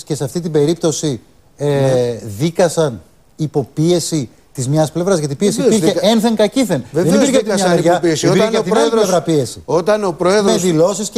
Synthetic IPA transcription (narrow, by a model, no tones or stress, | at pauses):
sce̞seɐft̪it̪̬ibe̞ɾipt̪o̞si | ðikɐsɐn | ipo̞pie̞si | t̪izmɲɐsple̞vɾɐzʝɐt̪ipie̞sipiɾçe̞enθe̞ŋkɐciθe̞nððenipiɾçeɐt̪mɲɐmeʝɐspiɾeɐt̪iolevɾɐpie̞si̥ot̪ɐnopɾoeðoesðilo̞sis